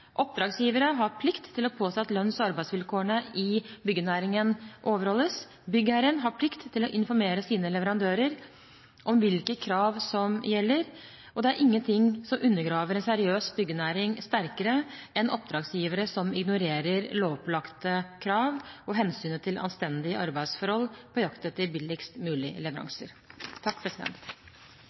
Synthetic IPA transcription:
ʔɔp̚d̪ɾɑːɡsjiːʋəɾəɦɑɾpʰlɪkt̪ʰːɪlɔpʰoːsɛt̪ːlœnsɔɑɾbæɪsʋɪlkʰoːəɳəɪbʏɡːənæːɾɪŋənʔoːʋəɾhɔlːəs | bʏɡæɾənɦɑɾpʰlɪkt̪ʰːɪlɔʔɪnfɔɾmeːɾəsiːnəlɛʋəɾɑnd̪øːɾəɾ | ʔɔmʋɪlkəkʰɾɑːʋsɔmjɛlːəɾ | ɔd̪ɛæɾʔɪŋːənt̪ʰɪŋsɔmʔʉnːəɾɡɾɑːʋəɾɛnsæɾɪøːsbʏɡːənæːɾɪŋst̪æɾkəɾəɛnʔɔp̚d̪ɾɑːɡsjiːʋəɾəsɔmɪɡnʊɾeːɾəɾloːpʰlɑkt̪əkʰɾɑːʋɔɦɛnsyːnət̪ʰɪlʔɑ̰nst̪ɛnd̪ɪəɑɾbæɪd̪sfɔɾhɔlpʰɔjɑkt̪ət̪ʰɪlbɪlɪkst̪mʉːlɪlɛʋəɾɑ̰ŋsə̰ɾ | t̪ʰːɑk̚ːpʰɾɛsɪd̪ɛ̰nt̪

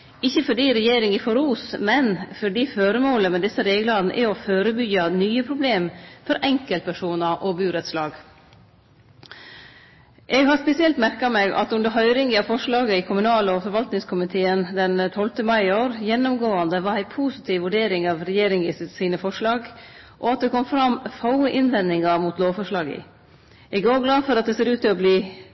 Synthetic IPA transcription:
ɪçːəfɔɖiːɾɛjeːɾɪŋɪfɔɾuːsmɛnfɔɖiːføːɾəmoːləmɛd̪ɛsːəɾeːɡlɑn̩ʔɛ̰ɔføːɾəbʏɡɑnyːəpʰɾʊbleːmfɔɾʔɛŋkəlt̪pʰæʂuːnɑʔɔbʉːɾɛt̪slɑːɡ | ʔɛɡhɑspɛsɪɛlt̪mæɾkɑmɛɡɑ̰t̪ʉnd̪əɾɦœʏɾɪŋɪɑʋfɔʂɭɑːɡəɪkʰʊmʉnɑːləɔfɔɾʋɑlt̪nɪŋskʰʊmɪt̪ʰeːənd̪ɛnt̪ʰɔlt̪əmɑɪoːɾjɛnːʊmɡoːɑnd̪əʋɑɾæɪpʰuːsɪt̪ʰiːʋʋʉɖeːɾɪŋɑʋɾɛjeːɾɪŋɪssiːnəfɔʂɭɑːɡ | ʔɔɑt̪̚d̪ɛkʰɔmfɾɑmfɑʊəʔɪnʋɛnːɪŋɑmuːt̪loːʋfɔʂɭɑːɡə̰ | ɛɡoːɡlɑːfɔɾɑt̪̚d̪ɛseːɾʉːt̪ɪɔbliː

